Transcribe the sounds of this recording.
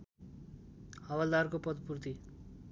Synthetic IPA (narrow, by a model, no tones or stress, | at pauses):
hʌwald̪arkopʌd̪purt̪i